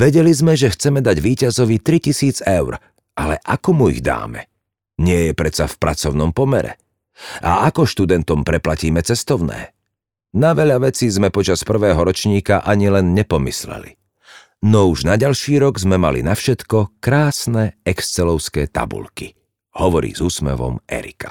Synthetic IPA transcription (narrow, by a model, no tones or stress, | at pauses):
ʋɛɟɛlizmɛʒɛxt͡sɛmɛd̪aɟʋiːcazɔʋit̪ɾicisiːd͡zɛʊɾ | ʔalɛ̰ʔakɔmuḭɣd̪a̰ːmɛ | ɲɪɛjɛpɾɛt͡safpɾat͡sɔʊnɔmpɔmɛɾɛ̰ | ʔa̰ʔakɔʃt̪ud̪ɛnt̪ɔmpɾɛplaciːmɛt͡sɛst̪ɔʊnɛ̰ː | naʋɛʎaʋɛt͡sizmɛpɔt͡ʃaspr̩ʋɛːɦɔɾɔt͡ʃɲiːkaʔaɲilɛnɲɛpɔmislɛ̰lḭ | nɔuʒnaɟalʃiːɾɔɡzmɛmalḭnafʃɛt̪kɔkɾaːsnɛɛkst͡sɛlɔʊskɛːt̪a̰bṵʎki | hɔʋɔɾḭːzuːsmɛ̰ʋɔ̰mɛ̰ɾḭkḁ